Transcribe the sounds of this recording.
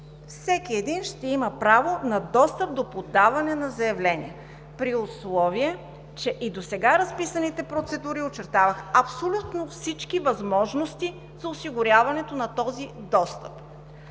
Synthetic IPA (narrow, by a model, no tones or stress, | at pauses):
fsɛkiɛd̪inʃt̪ɛiməpɾavonɐd̪ɔst̪əp̚d̪opod̪avɐnɛnɐzɐɛvlɛnʲḭɛ | pɾiʊslˠɔviɛ | t͡ʃɛʔid̪osɛɡaɾɐspisɐnit̪ɛpɾot̪sɛd̪uɾiot͡ʃɛɾt̪avəxɐpsolʲut̪nofsit͡ʃkivɐzmɔʒnost̪i | z̥ɐʊsiɡʊɾʲavɐnɛt̪onɐt̪ɔzid̪ɔst̪əp